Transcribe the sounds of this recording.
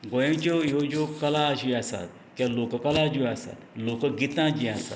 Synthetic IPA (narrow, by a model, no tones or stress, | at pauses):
ɡojẽd͡ʑojod͡ʒokəlaːɕiasa̰t̪̚ | kʲãlokəkəlad͡ʑiasa̰t̪lokəɡit̪ãd͡ʑiasa̰t̪